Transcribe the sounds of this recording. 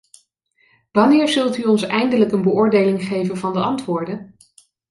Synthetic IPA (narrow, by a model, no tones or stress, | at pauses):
ʋɑnɪːɹzɵlˠtyɔnsɛjndələkənbəʊːɹdejlɪŋχejvənvɑndəʔɑntʋʊːɹdən